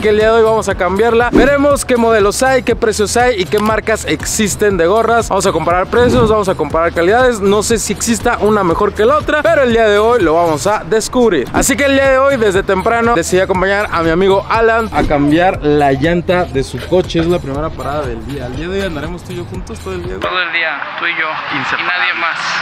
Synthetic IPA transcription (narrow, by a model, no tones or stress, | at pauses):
keld̪iaðeo̞jβamo̞sakambjaɾlabe̞ɾe̞mo̞ske̞mo̞ð̞e̞lo̞sajke̞pɾe̞sjo̞sajike̞maɾkase̞kssist̪e̞nd̪e̞ɣ̞o̞razbamos̬ako̞mpaɾaɾpɾe̞sjo̞zβamo̞sako̞mpaɾaɾkaliðaðe̞sno̞se̞sieksist̪aʔuname̞xo̞ɾke̞lo̞t̪ɾape̞ɾo̞e̞ld̪iað̞e̞o̞jlo̞βamo̞saðe̞skuβɾiɾa̰sik̬e̞ːld̪iaðe̞o̞jðe̞zðe̞t̪e̞mpɾano̞d̪e̞siðiako̞mpaɲaɾamiamiɣo̞ʔalanakambjaɾllaʝant̪aðe̞suko̞t͡ʃeezlapɾime̞ɾapaɾaðaðe̞ld̪iaːld̪iaðeojand̪aɾemo̞st̪uiʝoxunt̪ost̪oðoeld̪iat̪oðoeld̪iat̪uiʝokinseinaðjemas